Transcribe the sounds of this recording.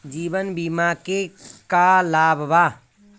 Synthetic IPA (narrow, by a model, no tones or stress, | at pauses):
d͡ʒiːbənbiːmakekalaːbbaː